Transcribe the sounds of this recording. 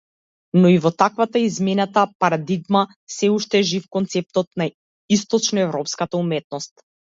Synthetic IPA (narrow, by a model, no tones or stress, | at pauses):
nɔivɔt̪akvat̪aizmɛnat̪apaɾad̪iɡma | sɛuʃt̪ɛʒifkɔnt̪sɛp̚t̪ɔt̪na | ist̪ɔt͡ʃnɔɛvɾɔpskat̪aumɛt̪̚nɔst̪̚